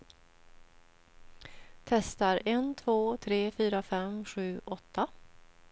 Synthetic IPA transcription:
t̪ʰɛst̪aɾɛnt̪ʰvoːt̪ʰɾeːfyːɾafɛmɧʉ̟ːʔɔt̪ʰːa

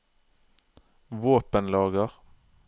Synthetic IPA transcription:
ʋoːpənlɑːɡəʁ

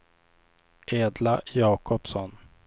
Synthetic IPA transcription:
ʔeːd̪lajɑːkʰɔpsɔn

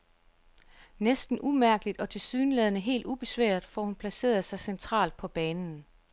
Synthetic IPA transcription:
nesd̥n̩ʔumæɐɡ̥əlid̥ɒ̽t͡sʰe̝lsyːnəlɛðˠnəɦe̝̰ːld̥ub̥e̝sʋæ̰ːɐd̥fɒhunpʰlæse̝̰ːɐð̞ˠsɑ̈ɪsent͡sʰʁɑ̰̈ːld̥̚pʰɒ̽b̥ɛːnn̩

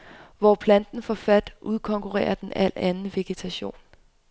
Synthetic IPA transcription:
ʋɒpʰlænd̥n̩fɒfæd̥ʔuð̞ˠkʰɒ̽ŋkʰuʁɛ̰ːɐd̥enæl̰ænn̩ʋe̝ɡ̥e̝t͡sʰæɕo̝̰ːn

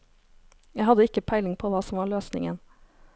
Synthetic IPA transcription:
jæɪhɑd̪əɪkəpʰæɪlɪŋpʰoːʋɑːsɔmʋɑːɭøːsnɪ̰ŋə̰n

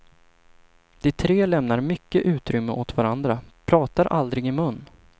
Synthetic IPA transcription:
d̪̥ɪt̪ʰɾeːlɛmnaɾmʏkːəʔʉ̟ːt̪ɾʏmːəʔot̪vaɾand̪ɾapʰɾɑːt̪aɾʔa̰ld̪ɾɪɡɪmɵnː

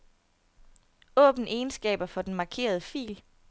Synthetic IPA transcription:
ɔ̰̽ːb̥n̩ʔe̝ːnsɡ̥ɛ̰ːb̥ɐfɒ̽d̥enmɑ̈kʰe̝̰ːɐð̞ˠəfḭːl

